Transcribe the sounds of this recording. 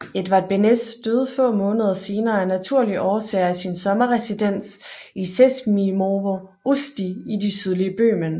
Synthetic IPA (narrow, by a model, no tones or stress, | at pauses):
e̝d̥ʋɑ̈e̝d̥̚b̥ened̥d̥øð̞ˠfɔ̰̽ːmɔ̽ːnəð̞ˠɐse̝ːnɐːænæt͡sʰuɐ̰liʔɒːsɛːɐæsinsɒ̽mɐʁɛsid̥en̰s | isesmimoʋo | usd̥iidisyð̞ˠliəb̥ø̰ːmən